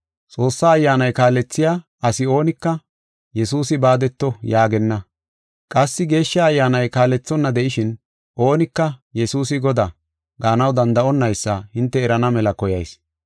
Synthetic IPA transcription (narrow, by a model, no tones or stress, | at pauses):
t͡sʼo̞ːsːaːjːaːnɐjkaːlɛt͡sːɪjaː | ɐsɪo̞ːnɪkːɐ | jɛsuːsɪbaːd̪ɛt̪ːɔjaːɡɛnːɐ | kʼɐsːɪɡe̞ːʃːaːjːaːnɐjkaːlɛt͡sːɔnːɐd̪ɛʔɪʃɪn | ʔo̞ːnɪkːɐjɛsuːs̬ɪɡɔd̪a | ɡaːnɐwd̪ɐnd̪ɐʔɔnːɐjsːɐhɪnt̪ːɛːɾɐnɐmɛlɐkɔjɐjs